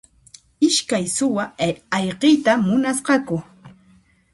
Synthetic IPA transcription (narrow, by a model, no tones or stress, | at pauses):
ɪʃkajsʊwaɑʎqɪjt̪amʊnasqɑkʊ